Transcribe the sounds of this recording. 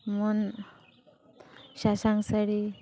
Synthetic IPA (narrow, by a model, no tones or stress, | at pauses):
mon | ɕasaŋsaɽi